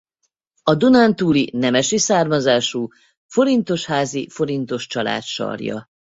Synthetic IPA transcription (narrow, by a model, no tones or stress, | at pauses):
ɒd̪unant̪uːlinɛmɛʃisaːrmɒzaːʃuː | fo̞ɾint̪o̞ʃhaːzifo̞ɾint̪o̞ʃt͡ʃɒla̰ːt̪ʃɒ̰rjɒ̰